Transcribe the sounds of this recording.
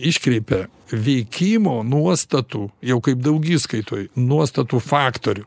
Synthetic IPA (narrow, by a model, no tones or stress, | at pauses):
ɪʃʲkɾʲɛɪpʲɛ | ʋʲɛɪkʲimoːnuɔst̪ɐt̪uːjɛʊkɐɪpd̪ɐʊɡʲiːskɐɪt̪oːjnuɔst̪ɐt̪uːfɑːkt̪oːɾʲʊ